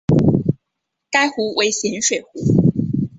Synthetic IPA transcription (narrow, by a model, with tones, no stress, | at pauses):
ka˥ɪxu˧˥wʔe˧˥ɪɕjɛ˧˥nʂwe˨˩ɪxu˧˥